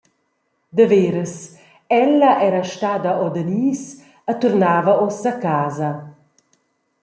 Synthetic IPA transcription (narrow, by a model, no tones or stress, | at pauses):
d̪əveːɾəs | ɛlːɐʔɛɾɐʃt̪aːd̪ɐʔɔd̪əniːs | ət̪urnaːvɐʔɔsakaːzɐ